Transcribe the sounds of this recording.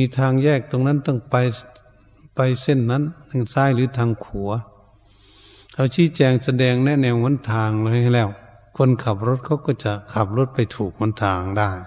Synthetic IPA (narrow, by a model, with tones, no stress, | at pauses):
miː˧t̪ʰaː˧ŋjɛː˧˩k̚t̪o˧ŋna˧˥˨nt̪ɔ˧˨ŋpa˧j | pa˧jse˧˨nːa˧˥˨nːɯ˧˩saː˧˥˩jlɯː˨˦t̪ʰaː˧ŋkʰu˨˦ɐ | ha˧˩siː˧˦˨t͡ɕɛː˧ŋsa˧dɛː˧ŋnɛ˧˩nɛː˧who˧˥˨nt̪ʰaː˧ŋlːha˧˩˧lɛː˧˩˨w | kʰo˧˥˨nkʰa˧˩p̚ɾo˧˩t̪̚kʰa˧˩wkɔː˧˩t͡ɕa˧˩kʰa˧˩p̚lo˧˥˩t̪̚pa˧˩jt̪ʰuː˨˩k̚mo˧˥˨nt̪ʰaː˧ŋdaː˧˩j